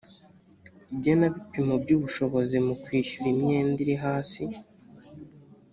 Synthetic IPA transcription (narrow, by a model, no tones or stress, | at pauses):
ibɟonaβipimobɟuːβuʃo̞βo̞zimukwiːʃuɾimɲeːndiɾiɦaːsi